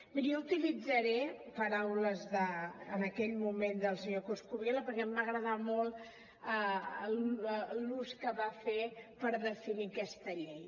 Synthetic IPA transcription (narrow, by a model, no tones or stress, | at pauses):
miɾijɔut̪ilid͡zəɾɛpəɾawləzðəːnəkɛʎmumend̪əlˠsəɲokuskuβjeləpəɾkɛmbaɣɾəðamɔlˠ | əlluskəβafepəɾðəfinikɛst̪əʎej